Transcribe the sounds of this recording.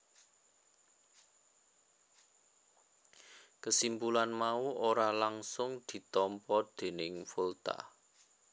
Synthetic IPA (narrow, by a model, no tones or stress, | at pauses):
kəsimbulanmauʔoɾalaŋsʊŋd̪̥i̤t̪ɔmpɔd̪̥e̤nɪŋfult̪a̰